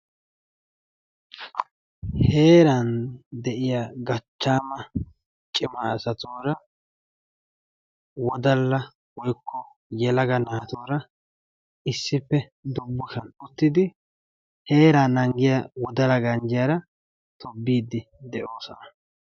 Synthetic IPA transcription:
he̞ːɾɐnd̪ɛʔɪjaːɡɐt͡ʃːaːmɐ | t͡ʃʼɪmɐːsɐt̪oːɾɐ | wɔd̪ɐlːɐ | wɔjkʰːɔ | jɛlɐɡɐnaːt̪oːɾɐ | ɪsːɪpːɛ | d̪ʊbːʊʃɐnʊt̪ːɪd̪ɪ | he̞ːɾaːnɐŋɡɪjawɔd̪ɐlɐɡɐnd͡ʒɪjaɾɐ | t̪ʰɔbːiːd̪ːɪ | d̪ɛʔo̞ːsɔnɐ

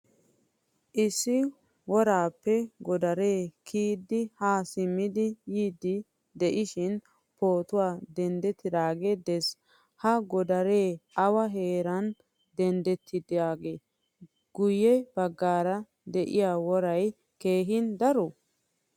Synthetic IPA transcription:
ʔɪsːɪ | wɔɾaːpːɛɡɔd̪ɐɾe̞ːkʰiːd̪ːɪhaːsɪmːɪd̪ɪjiːd̪ɪ | d̪ɛʔɪʃɪn | po̞ːt̪ʊwaːd̪ɛnd̪ɛt̪ːɪd̪aːɡe̞ːd̪ɛs | hɐɡɔd̪ɐɾe̞ːʔɐwɐɦe̞ːɾɐn | d̪ɛnd̪ɛt̪ʰːɪd̪aːɡeː | ɡ̥ʊjːɛbɐɡːaːɾɐ | d̪ɛʔɪ̰jaːwɔɾɐj | keːɦɪnd̪ɐɾɔ

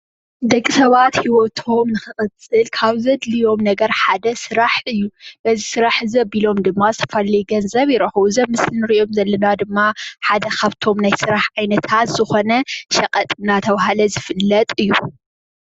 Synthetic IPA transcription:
d̪ɐkʼːisɐβat̪hiwot̪ʰo̞mnɨxɨxʼɐt͡sʼɨlkʰaβzɐd̪lijo̞mnɐɡɐɾħad̪ɐsɨɾaħɨjːuʔɐzisɨɾaħzɐbilo̞md̪ɨmːazɨt̪ʰɐ̥fɐlɐjɡɐnzɐβjɪɾɐxuzɐmːɨsnɨɾiʔo̞mzɐlːɐnad̪ɨmːaħad̪ɐkʰaβt̪ʰo̞mnajsɨɾaħʕajnɐt̪ʰat̪z̥ɨxo̞nɐʃɐkʼɐt̪ʼɨnat̪ʰɐβɦalɐzɨfɨlːɐt̪ʼɨjːu

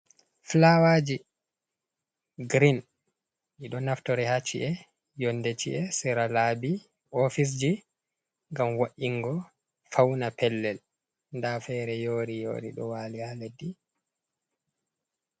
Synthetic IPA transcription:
flawad͡ʒi | ɡɾin | ʔiɗɔnaftɔɾɛhat͡ʃːiʔɛ | jondet͡ʃiʔɛsɛɾalabi | ʔofis̬d͡ʒi | ŋɡamwaʔiŋɡɔ | fawnapɛlːɛl | ndafɛɾɛjoːɾijo̰ːɾḭɗɔ̰walihaledːi

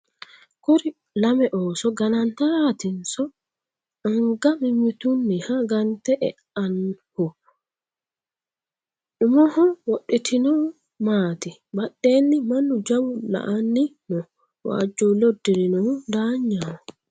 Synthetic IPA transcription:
kuɾi | lamɛʔɔːsɔɡanantatinsɔ | aŋɡamimitunːihaɡantɛʔɛ̰ | anhɔ | ɗumɔhɔwoɗitʰinɔ | maːtibaɗːenːimanːud͡ʒawula̰ʔanːinɔ | wa̰d͡ʒulodːiɾinɔndaɲːawɔ

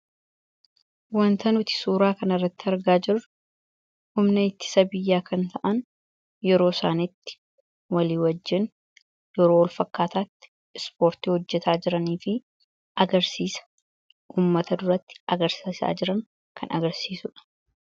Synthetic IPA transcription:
wɐnt̪ɐnʊt̪ɪ̥suːɾaːkɐnɪrːɐt̪ːɪɐɾɡaːd͡ʒɪɾʊ | hʊmnɐɪt̪ːɪ̥sɐbɪjːaːkʰɐnt̪ɐʔɐn | jɛɾo̞ːsaːnɪt̪ːɪ̥ | wɐliːwɐd͡ʒːɪn | jɛɾoːwɔlfɐkːaːt̪aːt̪ːɪ̥ | spo̞ːɾt̪iːhɔd͡ʒːɛt̪ʰaːd͡ʒɪɾɐniːfɪ | ɐɡɐɾsiːsɐ̥ | ʔuːmːɐt̪ɐd̪ʊɾɐt̪ːɪ̥ɐɡɐɾsisa̰ːd͡ʒɪɾɐŋ | kʰɐnɐ̰ɡɐɾsiːsʊᶑɐ̥

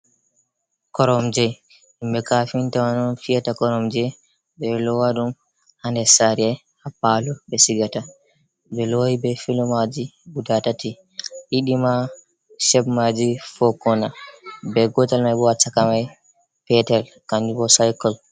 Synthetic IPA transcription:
kɔɾɔmd͡ʒɛ | imbɛkafintawanɔnfiatakɔɾɔmd͡ʒɛ | ɓɛlɔwaɗum | handɛsaɾiɛ | hapalubɛsiɡata | bɛlɔibɛfilɔmad͡ʒibudatati | ʔiɗima | ʃɛbmad͡ʒifɔkːɔnabɛɡɔtalmajbɔat͡ʃakamaj | pɛtɛl | kand͡ʒubɔsajkɔl

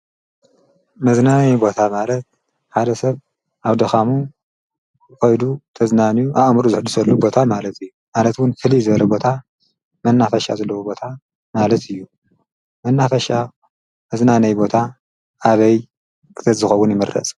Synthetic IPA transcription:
mɐznanɐjbo̞t̪ʰamalɐt̪̚ | ħad̪ɐsɐβ | ʔaβd̪ɐxamu | xojd̪ut̪ʰɐznanjuʔaʔmɾuzɨħɨd̪usɐlːubo̞t̪ʰamalɐt̪ʰɨjːumalɐt̪wʊnfɨlizɨβɐlɐbo̞t̪ʰa | mɐnːafɐʃa̰zɐlːɐwobo̞t̪ʰa | malɐt̪ʰɨjːu | mɐnːafɐʃa | mɐznanɐjbo̞t̪ʰaː | βɐj | kʰɨ̥t̪ʰɐzɨxɐwːʊnjɪmɨɾɐ̰t͡sʼ

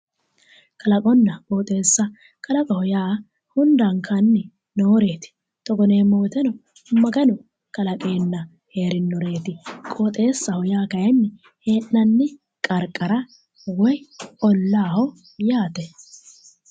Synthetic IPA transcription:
kʰɐlɐkʼɔnːɐkʼoːt̪ʼe̞ːsːɐ | kʼɐlɐkʼɔhɔjaː | hʊnd̪ɐŋkʰɐnːɪ | noːɾe̞ːt̪ɪ̥ | t̪ɔɡɔne̞ːmoːt̪ɛnɔ | mɐɡɐnɔ | kɐlɐkʼe̞ːnːɐ | he̞ːɾɪnːɔɾe̞ːt̪ɪkʼoːt̪ʼe̞ːsːɐhɔjaːkɐjɐnːɪ | heːʔnɐnːɪ | kʼɐɾkʼɐɾɐ | wɔjɔlːaːhɔ | jaːt̪ɛ

